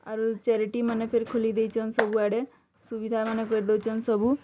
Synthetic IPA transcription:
a̰ɾut͡ʃɛɾiʈimanepʰeɾikʰolid̪et͡ʃʰɔnsɔbʱuaɽe | subid̪ʱamanekɔɾid̪ɔwt͡ʃʰɔnsɔbʱu

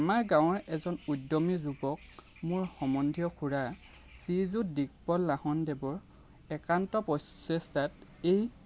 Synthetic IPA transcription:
amaɹɡãw̃ɹɛzɔnudɔmizubɔk̚ | mʊɹxɔmɔndʱijɔkʰuɹa | sizutdik̚pɔlːahɔndebɔɹ | ɛkantɔpɔjssɛstatej

